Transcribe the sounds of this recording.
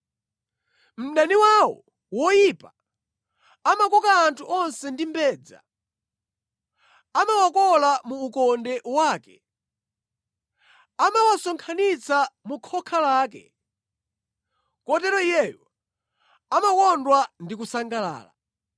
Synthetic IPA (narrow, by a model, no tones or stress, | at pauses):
m̩ɗaniwawɔ̰ | wɔjipa | amakɔkaːntʰuʔɔnsɛndimbɛːd͡za̰ | amawɔkɔlamuːkɔndɛwaːkɛ | amawasɔŋkʰanit͡sʰamukʰɔkʰalaːkɛ̰ | kɔtɛɾɔijɛjɔ | amakɔndwandikusaŋɡala̰ːla̰